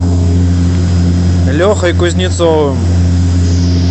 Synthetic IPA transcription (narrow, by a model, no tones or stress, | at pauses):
lʲɔxɐjkʊzʲnʲɪt̪sɔvɨm